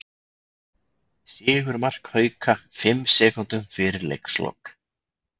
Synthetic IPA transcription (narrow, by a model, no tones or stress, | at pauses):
sjɪːɣʏɾmar̥khœːɥkʰafɪmsɛːkʏnt̪ʏmfɪɾɪɾlḛjkslo̰wk